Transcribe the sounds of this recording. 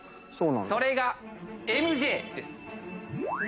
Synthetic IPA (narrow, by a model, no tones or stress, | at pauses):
soːnã̰so̞ɾe̞ɡae̞mɯ̟ʑe̞ːd̪e̞sɨ̥